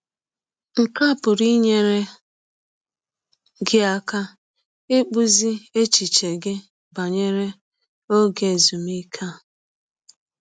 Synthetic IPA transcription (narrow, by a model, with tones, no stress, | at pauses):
ŋ̩˨ka˦˨pʊ˨ɾi˦ɲe˦ɾe˦ | ɡɪ˦a˦ka˦ | e˦k͡pu˦zi˦e˦t͡ʃi˨t͡ʃe˨ɡɪ˦ | ba˨ɲe˦ɾe˦ | o˦ɡe˨e˨zu˨mi˦kʰa˦˨